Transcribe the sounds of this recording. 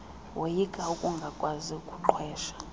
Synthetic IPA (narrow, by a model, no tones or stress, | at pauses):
wʔejiɡ̥ʱʼaukʼuŋɡʱakʼwaziukʼuǃʰwɛːʃḁ